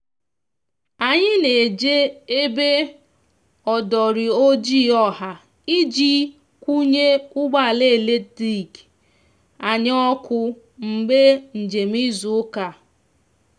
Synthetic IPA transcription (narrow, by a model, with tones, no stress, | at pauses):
a˨ɲɪ˦ne˨d͡ʒe˦e˦be˦ | ɔ˨dɔ˨ɾɪ˨o˦d͡ʒi˦˨ɔ˦ha˨ | i˦d͡ʒi˦ | kʷu˦ɲe˦ʊ˦ɡ͡ba˦˨le˦˨le˦ti˦˨k | a˨ɲ˦ɔ˦kʊ˦ | m̩˨be˦n̩˨d͡ʒe˨m̩˦i˦zʊ˨ʊ˦ka˨